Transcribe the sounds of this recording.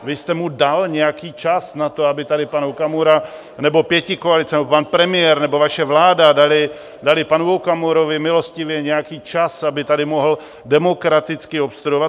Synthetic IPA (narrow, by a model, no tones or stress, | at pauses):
vɪst̪ɛmudalɲɛjakiːt͡ʃasnat̪o̞abɪt̪adɪpanukamuɾa | nɛbo̞pjɛcɪkoalɪt͡sɛnɛbopanpɾɛmɪjɛɾnɛbo̞vaʃɛvlaːdadalɪ | dalɪpanuvokamuɾo̞vɪmɪlo̞scɪvjɛɲɛjakiːt͡ʃasabɪt̪adɪmoɦl̩ | dɛmokɾat̪ɪt͡skɪopst̪ɾuovat̪